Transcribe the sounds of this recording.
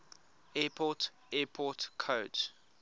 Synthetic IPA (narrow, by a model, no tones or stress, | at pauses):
ɛːpʰɔt | ɛːpʰɔtkʰoːd͡ʒ